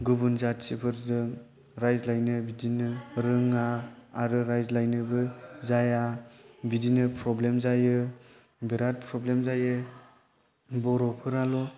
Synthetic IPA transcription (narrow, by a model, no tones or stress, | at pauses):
ɡubunzatsipʰɯɾzɯŋ | ɾajzlajnɯbidinɯɾɯŋaːɾɯɾajzlajnɯbɯzajabidinɯpʰɾɔblemzajɯ | biɾat̚pʰɾɔblemzajɯ | bɔɾɔpʰɯɾalɔ